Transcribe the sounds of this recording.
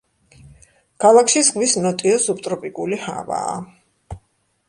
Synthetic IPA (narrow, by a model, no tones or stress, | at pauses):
kʰalˠakʰʃisʁwisnɔt̪ʼiɔsup̚t̪ʼɾɔpʼikʼuliha̰va̰ː